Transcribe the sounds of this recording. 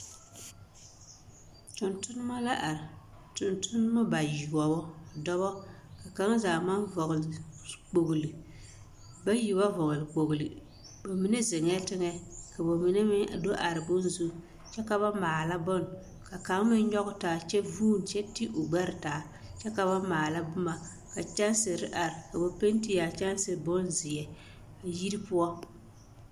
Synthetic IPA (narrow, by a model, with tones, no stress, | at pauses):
tʊ˨ntʊ˦nʊ˦ma˦la˦ʔa˨ɾɪ˨ | tʊ˨ntʊ˦nɨ˦ma˦ba˨ji˨ɡɔ˨bɔ˦˨dɔ˦βɔ˦ | ka˨ka˨˦ŋ˦zaː˨ma˦nvɔ˨ɣlk͡po˨ɣlɨ˨ | ba˦ji˨ba˦vɔ˨ɣlɨ˨k͡po˨ɡlɨ˨ | ba˨mi˨ne˦ze˨ŋ˦ɛ˦tɪ˦ŋɛ˦ka˨bo˨mi˨nɛ˦mɪ˦˨do˦ʔa˨ɾɪ˨bʊ˦n˦zu˦ | t͡ʃɛ˦ka˦ba˦maː˨la˦bɔ˦n | ka˨ka˨˦m˦mɪ˦n˦ɲɔ˦ɣʊ˦taː˨t͡ʃɛ˦vuː˦n˨t͡ʃɛ˦ti˦ʔo˨ɡ͡ba˦ɾɪ˨taː˨˦ | t͡ʃɛ˦ka˨ba˦maː˨la˦bʊ˦ma˨ | ka˨t͡ʃa˦nsɪ˨ɾɪ˦ʔa˨ɾɪ˨ka˨bo˨pe˦n˦ti˦ja˨t͡ʃa˦n˦sɨ˨bʊ˦nzɪ˨jɛ˨ | a˨ji˦ɾi˦pʊ˦a˦